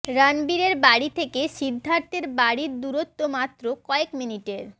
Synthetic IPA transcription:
ɾanbiɾeɾbaɽit̪ʰekeʃid̪ʱːant̪eɾbaɽiɾd̪uɾot̪ːomat̪ːɾokɔekminiʈeɾ

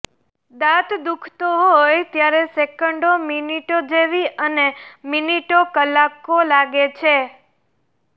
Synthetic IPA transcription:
d̪at̪d̪ukʰt̪oɦojt̪jaɾesekəɳɖominiʈod͡ʒeʋiʔəneminiʈokəlːakolaɡet͡ʃʰe

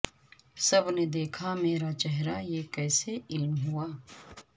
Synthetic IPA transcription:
sɐbned̪eːkʰameːɾat͡ʃɛɦɾajeːkɛːseɪlmɦuaː

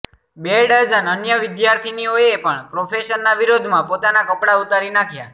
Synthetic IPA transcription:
beɽad͡ʒənənjəʋɪd̪jaɾt̪ʰinioepəɳpɾofʰeʃənːaʋiɾod̪ʱmãpot̪anakəpɽaut̪aɾinakʰja̰

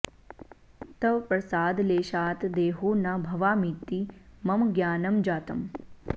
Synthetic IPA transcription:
t̪ɐʋpɾɐsaːd̪leːʃaːt̪d̪eːɦuːnabʱɐʋaːmit̪ːimɐmɡjaːnɐmd͡ʒaːt̪ɐm

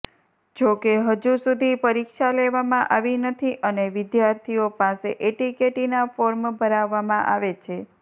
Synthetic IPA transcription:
d͡ʒokeɦəd͡ʒusud̪ʱipəɾikʃaleʋamãʔaʋinət̪ʰiʔəneʋɪd̪jaɾt̪ʰiopaseʔeʈikeʈinafoɾmbʱəɾaʋːamãʔaʋet͡ʃʰe

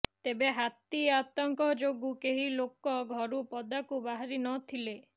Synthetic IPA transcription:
t̪ebeɦat̪iat̪ɔŋkɔd͡ʒoɡukeɦilokɔɡʱɔɾupɔd̪akubaɦaɾinɔt̪ʰile

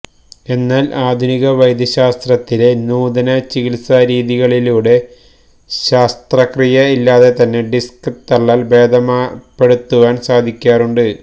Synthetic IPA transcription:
e̞nːaːlʔaːd̪ʱuniɣɐʋɐjd̪ʱjɐɕaːst̪rɐt̪ːile̞nuːd̪ɐnɐt͡ɕiɣilsɐɾiːðiɣɐɭiluːɽe̞ | ɕaːst̪rɐkrijɐilːaːðe̞t̪ɐnːe̞ɖiskɨt̪ɐɭːaːlbe̞ːd̪ʱɐmaːpːe̞ɽut̪ːuʋaːnsaːd̪ʱikʲːaːruɳɖɨ

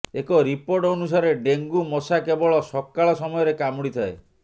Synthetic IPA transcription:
ekɔɾipoɾʈɔnus̬aɾeɖeŋɡumɔsakebɔɭɔsɔkːaɭɔsɔmɔjɔɾekamuɽit̪ʰae

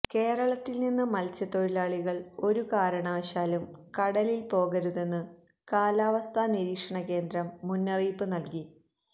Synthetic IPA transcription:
ke̞ːrɐɭɐt̪ːilninːɨmɐlt͡ɕɐt̪oɻilaːɭiɣɐɭo̞ɾukaːɾɐɳaːɕaːlumkɐɽɐlilpo̞ːɣɐɾuðe̞nːɨ | kaːlaːʋɐst̪ʰaːniɾiːkʂɐɳɐke̞ːnd̪ɾɐmːunːɐriːpːɨnɐlki

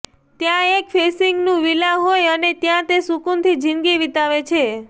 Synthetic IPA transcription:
t̪jãekfesiŋɡnũʋilaɦojənet̪jãt̪esukunt̪ʰid͡ʒinɡiʋit̪aʋet͡ʃʰe

